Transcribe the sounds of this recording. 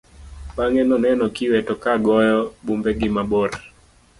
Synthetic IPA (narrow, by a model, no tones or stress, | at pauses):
ɓaŋɛnɔnɛnɔkiwɛtɔkaɡɔjɔɓumbɛɡimaɓɔɾa